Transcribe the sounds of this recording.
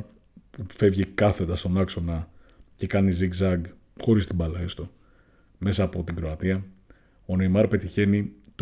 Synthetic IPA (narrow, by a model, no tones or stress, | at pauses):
pufe̞vʝikɐθe̞d̪ɐst̪o̞nɐkso̞nɐ | ce̞kɐniziɡzɐɡ | xo̞ɾist̪ibɐlɐest̪o | me̞sɐːpo̞t̪iɡɾo̞ɐt̪iɐ | o̞nejmɐɾpe̞t̪içe̞nit̪